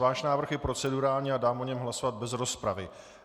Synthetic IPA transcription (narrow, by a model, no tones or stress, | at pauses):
vaːʃnaːvr̩xjɛpɾo̞t͡sɛduɾaːlɲiːadaːmʔoɲɛmɦlasovat̪̚bɛzɾo̞spɾavɪ